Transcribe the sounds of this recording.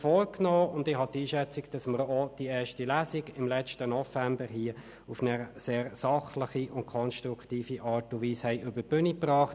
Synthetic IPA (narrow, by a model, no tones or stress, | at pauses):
fɔːɾknɔːʊndɪhɑtiːʃɛt͡siɡd̥ɑsməɾɔd̥iɛːʃtilæːsiɡɪmlɛstənɔfæmbəɾɦiə | ufnəseːɾsɑχləχiʔʊntkʰɔnʃtɾukʰtiːfiʔɑːɾtuʋiːshɛɪʔʏbəb̥ʏniprɑːχt